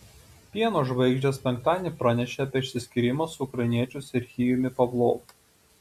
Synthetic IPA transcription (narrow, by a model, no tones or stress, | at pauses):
pʲiɛnoːʒʋɐɪɡʒʲd͡ʒʲɛspʲɛŋk̚t̪ɑːd̪ʲnʲipɾɑnʲɛʃʲeɐpʲiɛɐʃʲsʲɪsʲkʲɪɾʲɪmɐsʊʊkɾɐɪnʲiɛt͡ʃʲʊsʲɪɾxʲiːjʊmʲɪpɐblˠoːʋ